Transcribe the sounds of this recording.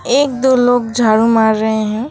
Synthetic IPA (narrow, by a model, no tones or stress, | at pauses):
eːk̚d̪oloːɡd͡ʒʱaːɾũmaːɾːɐɦeɦɛ̃